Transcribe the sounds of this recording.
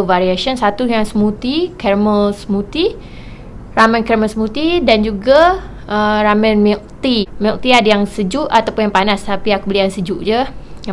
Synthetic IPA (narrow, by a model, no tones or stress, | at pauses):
vaɾiaʃənsat̪ujaŋsəmut̪ikɛrməlsmut̪i | ramə̃nkɛrməlsmut̪idand͡ʒuɡa | əramɛ̃nmik̚t̪imik̚t̪iadəjaŋsəd͡ʒuʔat̪awpʊnjaŋpanast̪apiakubəliaŋsəd͡ʒuʔd͡ʒəja